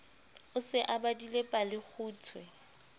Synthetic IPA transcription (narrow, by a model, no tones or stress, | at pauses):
ʊsɪʔabadilepʼalɪk͡xʰuːt͡sʰwɛ